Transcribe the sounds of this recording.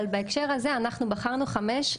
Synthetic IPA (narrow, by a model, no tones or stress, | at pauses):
lbaekʃe̞ʁaze̞anaχnubaχaʁnuχameʃ